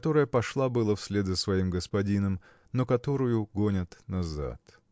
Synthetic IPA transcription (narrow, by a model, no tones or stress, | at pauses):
t̪o̞ɾəjəpɐʂlˠabɨlˠəfsʲlʲed̪zəsvɐimɡəspɐdʲinəm | nokɐt̪o̞ɾʊjʊɡonʲɪt̪nɐza̰t̪